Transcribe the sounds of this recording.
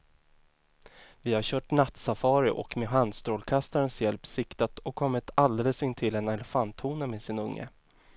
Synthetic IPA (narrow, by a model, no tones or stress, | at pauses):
vɪhaɕœːʈnat̪safɑːɾɪʔɔ̰kmeːɦand̪st̪ɾoːlkʰast̪aɾənsjɛlpsɪkt̪at̪ɔkʰːɔmːɪt̪ald̪ɛləsɪnːt̪ʰɪlɛnɛlɛfant̪huːnameːsɪnɵŋːə̰